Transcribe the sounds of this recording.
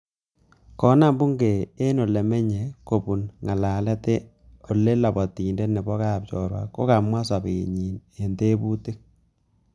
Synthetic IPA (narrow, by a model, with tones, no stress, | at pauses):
kɔ˦na˦˨mbu˦ŋɡe˨e˦no˨le˨mɛ˦ɲe˨ko˨pu˨nŋa˨laː˨lɛ˦te˦ | o˨lːe˦la˨bɔ˨ti˨nde˦nɛ˨bɔ˦ka˦˨p̚t͡ʃɔ˨ɾwa̰˨ko̰˦ka˨mwa˦sa˨be˨ḛ˨ɲi˨ne˨nte˦bu˦te˦k̚